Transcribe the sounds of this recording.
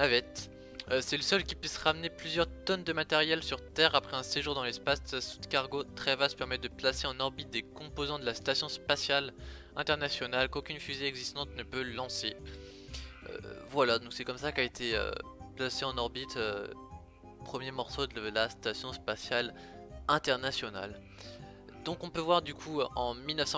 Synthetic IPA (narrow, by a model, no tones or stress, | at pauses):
avɛt̪ | øsɛləsœlkʲipɥisʁamneplyzjœʁt̪ɔnd̪əmat̪ɛʁjɛlsyʁt̪ɛʁapχɛɛ̃seʒuʁd̪ɑ̃lɛspasasu̥d̪kaʁɡot̪χɛvast̪pɛʁmɛt̚d̪əplaseɑ̃nɔʁbit̪̚d̪ekɔ̃pozɑ̃d̪əlast̪asjɔ̃spasjal | ɛ̃t̪ɛʁnasjɔnalkokʲynfyzeɛɡzist̪ɑ̃t̪nəpølɑ̃se | ø̰vwalad̪ɔ̃ksɛkɔmsakaet̪ʰeø̰plaseɑ̃nɔʁbit̪ø | pχəmjemɔʁsod̪əəlast̪asjɔ̃spasjal | ɛ̃t̪ɛʁnasjɔna̰l | d̪̥ɔ̃kɔ̃pøvwaʁd̪ykʰuʔɑ̃milnəfsɑ̃